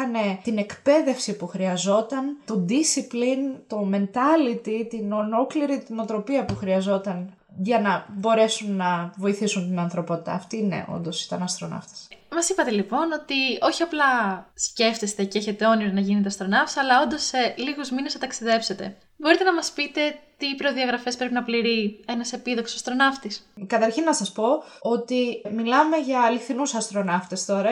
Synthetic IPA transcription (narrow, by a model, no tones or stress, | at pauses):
ɐne̞t̪ine̞kpe̞ðe̞fsipuxɾiɐzo̞t̪ɐnt̪o̞d̪isiplint̪o̞me̞nt̪ɐlit̪it̪inolo̞kliɾit̪ino̞t̪ɾo̞piɐpuxɾiɐzo̞t̪ɐn | ʝɐnɐbo̞ɾe̞sunːɐvo̞iθisunt̪inɐnθɾo̞po̞t̪it̪ɐ̰ːft̪ine̞̰ʔo̞̰nd̪osi̥t̪ɐnɐst̪ɾo̞nɐ̰ft̪e̥smɐsipɐt̪e̞lipo̞no̞t̪io̞çiɐplɐsce̞ft̪est̪e̞ceeçe̞t̪e̞o̞niɾɐnɐʝinet̪eɐst̪ɾo̞nɐftsɐlɐo̞nd̪oseliɣuzminesnɐt̪ɐksiðe̞pse̞t̪e̞̰ | boɾit̪e̞nɐmɐspit̪e̞t̪ipɾo̞ðiɐɣɾɐfe̞spɾe̞p̬inɐpliɾie̞nɐse̞piðoksoɐst̪ɾo̞nɐft̪iskɐt̪ɐɾçinːɐsɐspo̞ot̪imilɐme̞ʝɐːliθinusɐst̪ɾo̞nɐft̪est̪o̞ɾɐ